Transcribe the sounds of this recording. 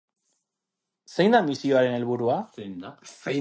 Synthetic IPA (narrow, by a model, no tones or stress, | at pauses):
se̞jnd̪amisio̞aɾe̞ne̞lβ̞uɾua